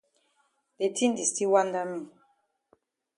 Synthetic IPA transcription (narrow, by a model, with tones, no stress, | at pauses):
be˨tʰi˦n˨di˨sti˦wa˦nda˦mi˦˨